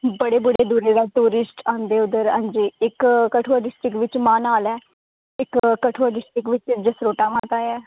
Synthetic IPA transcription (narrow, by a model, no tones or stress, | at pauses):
bəɽeːbəɽeːd̪uːɾeːd̪aːt̪uːɾɪsʈãːnd̪eːʊd̪əɾã̰ːɲd͡ʒiːɪkkəʈʰuəɖɪsʈɾɪkʋɪt͡ʃmãːnaːlɛː | ɪkkːəʈʰoaːɖɪsʈɾɪkʋɪt͡ʃɪd͡ʒəsɾoːʈaːʋãːt̪aːjɛː